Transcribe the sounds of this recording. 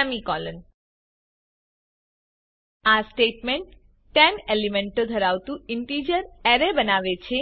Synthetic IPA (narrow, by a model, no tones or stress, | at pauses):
amikɔlən | asʈeʈmeɳʈ | ʈːɛnelimẽɳʈod̪ʱəɾawt̪ũiɳʈid͡ʒəɾɛɾebənaʋet͡ɕʰe